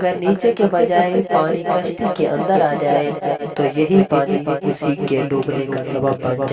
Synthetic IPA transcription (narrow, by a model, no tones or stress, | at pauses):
ɡəɾniːt͡ʃekebɐd͡ʒaːepaːñikəʃt̪ikeʔə̰̃nd̪əɾaːd͡ʒaːet̪ojɐɦipaːnimʊsiːkːeloːbnekasɐbəbːɐ̃nd͡ʒa